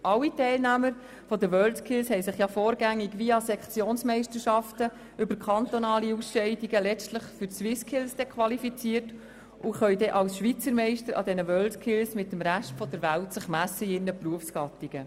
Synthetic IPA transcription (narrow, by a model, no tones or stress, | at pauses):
ʔɑwitɛɪlnæːməɾ | fɔd̪əʋœːldkʰɪlshɛɪsɪχjɑfoːɾɡæŋːiɡʋiɑsɛkχt͡sjoːnsmɛɪʃtəɾʃɑftə | ʏbəɾkʰɑnt̪ɔnɑːliusʃɛɪdiɡəlɛt͡stləχfʏswɪskʰɪlsd̥ɛkχʋɑlifit͡siəɾt | ʔʊχœʏdɛʔɑlsʃʋit͡səɾmɛɪʃtəɾʔɑ̰d̪ɛnəʋœːldkʰɪlsmɪtːəmɾæʃtfɔd̥̪əɾʋæltsɪχmæsəɪnːəpruəfsɡ̥ɑt̪iɡ̥ə